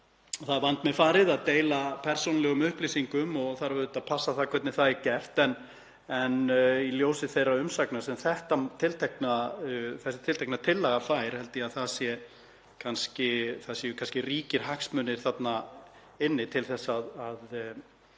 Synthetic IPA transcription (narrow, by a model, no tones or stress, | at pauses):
θaðvant̪mɛfaːɾɪðaðt̪eːjlapʰɛɾ̥sownlɛɣʏmʏhplisiŋkʏmɔθaɾvʏðt̪aðpʰasːaθakʰvɛt̪nɪθaðicɛft̪ɛn | ɛniljoːwsɪθejraʏmsaknasɛmθɛht̪amt̪ʰɪlt̪ʰɛhknaθɛsɪt̪ʰɪlt̪ʰɛknat̪ʰɪlːaɣafajɾ̥hɛlt̪ɪaðθaðsjɛ | kʰanscɪθasjɛjʏkʰanscɪriːcɪɾ̥ɦaksmʏnːɪɾ̥θat̪na | ɪnːɪt̪ʰɪlθɛsːaðað